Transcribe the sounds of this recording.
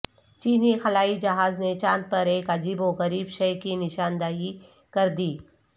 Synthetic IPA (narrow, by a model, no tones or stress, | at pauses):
t͡ʃiːnixɐlaːid͡ʒɐɦaːznet͡ʃãːnd̪̚pɐɾeːkɐd͡ʒiːboɣɐɾiːbʃɛjkinɪʃaːnd̪aːɦi | kɐɾd̪iː